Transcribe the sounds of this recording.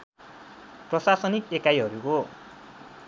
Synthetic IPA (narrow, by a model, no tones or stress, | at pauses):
prʌsasʌnikekajɦʌɾuko